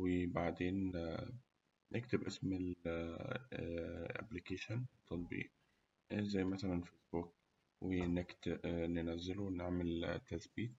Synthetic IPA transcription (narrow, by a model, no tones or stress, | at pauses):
webaʕd̪eːn | nːʔekt̪ebʔesmel | ʔæ̰blikeːʃont̪ʰːɑt̪̚ˤbḭːʔ | zæjːmæsælænfeːsbuk̚ | wenekt̪enenæzːeluwneʕmelt̪ːæsbiːt̪̚